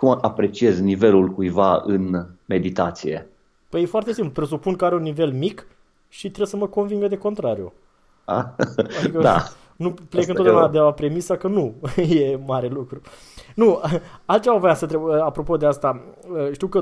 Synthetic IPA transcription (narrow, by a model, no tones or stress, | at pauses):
kumapɾe̞t͡ʃie̞znive̞lulkujvaɨnme̞d̪it̪at̪sije̞̰ | pəjefoaɾrt̪esimplupɾe̞supunkəaɾeunːive̞lmik | ʃit̪ɾebsəməko̞nviŋɡəd̪e̞ko̞nt̪ɾaɾijṵ | a̰adikəd̪a̰ | nuplekɨnoeunad̪eapɾe̞misakənuje̞maɾe̞lukɾu | nuəalt̪t͡ʃe̞vavəjasət̪̬ɾebəapɾo̞po̞d̪east̪aəʃt̪iwkə